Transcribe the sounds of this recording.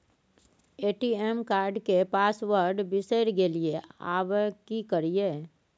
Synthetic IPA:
eːʈiemkaːɾɖkepaːsʋəɾɖbɪseɾɡeliea̰ːʋkikəɾieː

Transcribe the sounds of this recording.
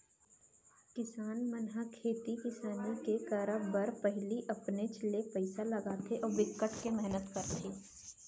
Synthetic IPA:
kɪsaːnmɐnɦakʰeːt̪ikɪsaːnikekɐɾəbɐɾpɛɦliʔɐpnet͡ʃlepɛɪsalɐɡaːt̪ʰeʔɔːɾʋɪkːəʈkemɛɦnət̪kɐɾt̪ʰeː

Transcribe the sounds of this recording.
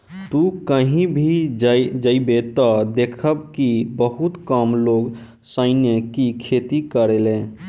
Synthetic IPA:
t̪ukəɦĩbʱid͡ʒd͡ʒəibet̪ɔd̪ekʰəbkibəɦut̪kəmloːɡ | səɪnjəkikʰet̪ikəɾelẽ

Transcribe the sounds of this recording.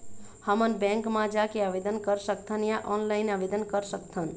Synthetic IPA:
həmənbɛ̃ŋkmãd͡ʒakeabed̪ənkəɾsəkt̪ʰənjaʔɔnlaɪnabed̪ənkəɾsəkt̪ʰən

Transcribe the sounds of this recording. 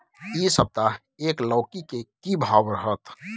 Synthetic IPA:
isəb̚t̪a | ekləʊkikekibʱabɾəɦət̪

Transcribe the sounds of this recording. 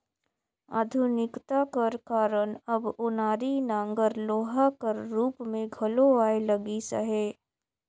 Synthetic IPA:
a̰ːd̪ʱʊnɪkt̪akɐɾkaːɾənɐbʊnaːɾinãːŋɡəɾloːɦakəɾːuːpmẽɡʱɐloaːelɐɡisɐ̰ɦeː

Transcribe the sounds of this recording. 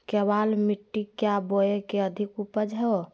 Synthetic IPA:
kɛbalmiʈːikjaboekeəd̪ʱikupəd͡ʒɦɛo

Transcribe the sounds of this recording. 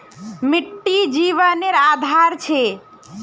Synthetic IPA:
miʈːid͡ʒiʋəneɾad̪ʱaɾt͡ʃʰe

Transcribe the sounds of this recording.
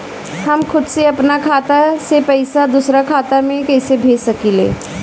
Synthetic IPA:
həmkʰʊd̪seɐpnakʰaːt̪asepɐɪsad̪ʊsɾakʰaːt̪amẽkɛːsebʱeːsəkilḛː

